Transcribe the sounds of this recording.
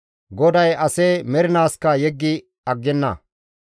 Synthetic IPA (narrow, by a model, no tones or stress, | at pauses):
ɡɔd̪ɐjʔɐsɛmɛɾɪnaːskɐjɛɡːɪ | ɐɡːɛnːɐ̰